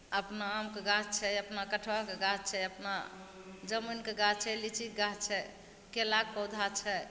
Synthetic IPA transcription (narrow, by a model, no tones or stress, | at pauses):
əpnaːmkeɡat͡ʃʰɛəpnakəʈʰʋakeɡat͡ʃʰɛəpna | d͡ʒəminkeɡat͡ʃʰɛlit͡ʃik̚ɡat͡ʃʰɛ | kelak̚pɔwd̪ʱat͡ʃʰɛ